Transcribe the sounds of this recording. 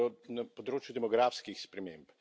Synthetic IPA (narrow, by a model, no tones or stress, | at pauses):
ɔnapɔd̪ɾoːt͡ʃjud̪ɛmɔɡɾaːfskixspɾɛmemp